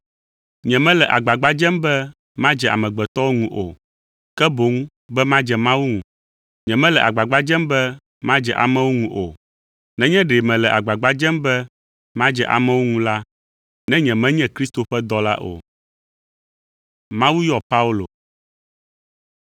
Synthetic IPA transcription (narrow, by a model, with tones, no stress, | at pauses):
ɲɛ̃˨mɛ̃˦lɛ˨ʔa˨ɡ͡ba˨ɡ͡ba˦d͡ʒɛ˦mbɛ˦ | mã˦d͡ʒɛ˨ʔa̰˨mɛ̃˨ɡ͡bɛ˨t̪ɔ˦wo˦ŋũ˦ʔo˨ | kɛ˦bo˨˦ŋ˦ | bɛ˦mã˦d͡ʒɛ˨mã˦wu˦ŋũ˨ | ɲɛ̃˨mɛ̃˦lɛ˨ʔa̰˨ɡ͡ba˨ɡ͡ba˦d͡ʒɛ˦mbɛ˦ | mã˦d͡ʒɛ˨ʔa̰˨mɛ̃˦wo˦ŋũ˦ʔo˨ | nɛ̃˦ɲɛ̃˦ɖe˨mɛ̃˨lɛ˨ʔa˨ɡ͡ba˨ɡ͡ba˦d͡ʒɛ̃˦mbɛ˦ | mã˦d͡ʒɛ˨ʔa̰˨mɛ̃˦wo˦ŋũ˦la˦ | nɛ̃˦ɲɛ̃˨mɛ̃˦ɲɛ̃˦kɾi˦st̪o˨ɸɛ˦d̪ɔ˦la̰˦ʔo̰˨ | mã˦wu˦jɔ˦pa˦u˦lo̰˨